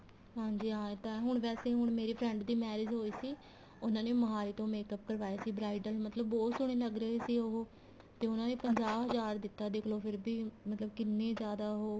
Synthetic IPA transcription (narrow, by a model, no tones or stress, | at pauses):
ɦãːɲd͡ʒiːɦãːt̪ãɦʊɳ̃ʋɛːseːɦʊɳ̃meːɾiːpʰɾɛ̃ɳɖd̪iːmɛːɾɪd͡ʒɦoːiːsiː | ʊnãːneːməɦaːɾiːt̪õːmeːkəp̚kəɾʋaːeːsiːbɾaːɪɖəlmət̪ləbːɔːt̪sʊɽ̃eːləɡɾəeːsiːoɦoː | t̪eːʊnãːneːpəɲd͡ʒaːɦəzaːɾd̪ɪt̪ːaːd̪eːkʰloːpʰɪɾbiːmət̪ləbkɪnːẽːzjaːd̪aːɦoː